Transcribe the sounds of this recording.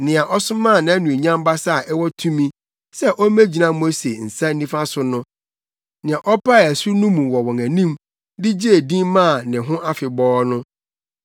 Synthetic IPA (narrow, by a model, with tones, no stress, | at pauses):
nɪ̃˨a˨ʔɔ˦sʊ˦mã˦˨nã˨æ˦nũ˨e˨ɲã˦m˦ba˦sa˦˨ʔɛ˦wɔ˦tʰũ˦mĩ˦ | sɛ˦ʔɔ˦mæ̃˦d͡ʑi˨nã˦mo˦se˨n̩˨sa˦nĩ˦fa˦sʊ˦nʊ̃˦ | nɪ̃˨ã˨ʔɔ˦pʰa˦˨æ˨su˦nʊ̃˦mũ˨wɔ˨wɔ̃˨ŋæ̃˨nĩ˦m | dɪ˦d͡ʑe˦e˨dĩ˦mmã˦˨nɪ̃˨ɦʊ̃˦ʔa˦fɪ˨bɔː˦nʊ̃˦